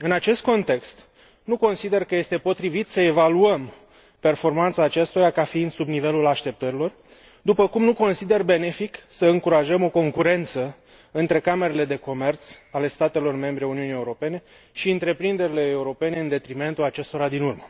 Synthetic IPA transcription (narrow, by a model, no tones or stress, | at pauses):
ɨnat͡ʃe̞st̪̚ko̞nt̪e̞kst̪ | nuko̞nsid̪e̞rkəje̞st̪e̞po̞t̪ɾivit̪səe̞valuəm | pe̞rfo̞rmant̪saːt͡ʃe̞st̪oɾakafiːnd̪subnive̞lulaʃt̪e̞p̚t̪əɾilo̞r | d̪upəkumnuko̞nsid̪e̞rbe̞ne̞fiksəɨŋkuɾaʒəmo̞ko̞ŋkuɾe̞nt̪sə | ɨnt̪ɾe̞kame̞ɾe̞le̞d̪e̞ko̞me̞rt̪sale̞st̪at̪e̞lo̞rme̞mbɾe̞uniunie̞uɾo̞pe̞ne̞ | ʃiɨnt̪ɾe̞pɾind̪e̞ɾile̞ːuɾo̞pe̞ne̞ɨnd̪e̞t̪ɾime̞nt̪ulat͡ʃe̞st̪o̞ɾad̪inurmə